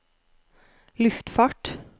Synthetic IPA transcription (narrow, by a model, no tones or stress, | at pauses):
lʉft̪fɑːʈ